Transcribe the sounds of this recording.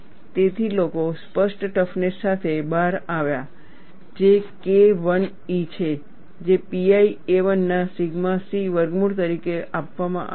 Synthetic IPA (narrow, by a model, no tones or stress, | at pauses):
t̪et̪ʰilokospəʂʈʈəfnesat̪ʰebaɾaʋja | d͡ʒekeʋən | it͡ʃʰe | d͡ʒepiaieʋənːasiɡmasiʋəɾɡmuɽt̪əɾikeʔapʋamã̰ʔ